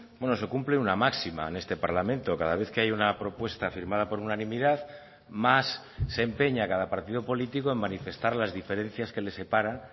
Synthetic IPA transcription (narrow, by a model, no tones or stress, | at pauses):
bwe̞no̞se̞kumpleunamaksima̰ene̞st̪e̞paɾlamẽ̞nt̪o̞kað̞aβ̞e̞θke̞ajunapɾo̞pwe̞st̪afiɾmað̞apo̞ɾunanĩmiðað | masː | e̞mpe̞ɲakaðapaɾt̪ið̞o̞po̞lit̪iko̞e̞mːanife̞st̪aɾlazðife̞ɾe̞n̟θjaske̞le̞se̞paɾa